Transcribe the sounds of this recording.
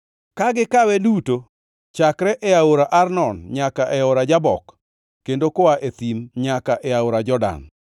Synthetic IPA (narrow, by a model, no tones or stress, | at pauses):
kaɡɪkawɛduto | t͡ʃakɾɛʔɛaoɾaʔarnɔnɲakaʔɛoɾad͡ʒabɔ̰kː | endokɔaʔet̪imɲakaʔɛaoɾad͡ʒɔda̰n